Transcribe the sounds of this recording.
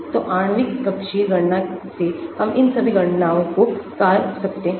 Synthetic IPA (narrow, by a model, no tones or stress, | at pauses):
t̪oʔaːɳ̃ʋɪkkɐbʃiːɾɡɐɽnasehɐmʔɪnsɐbʱiɡʱɐɽnaːõkokaːɾsɐkt̪eɦɛ̃ː